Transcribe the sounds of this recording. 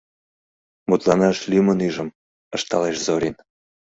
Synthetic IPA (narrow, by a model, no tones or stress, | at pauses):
mut̪lɑnɑʃlʲymənyʒə̆m | ə̆ʃt̪ɑleʃzoɾʲin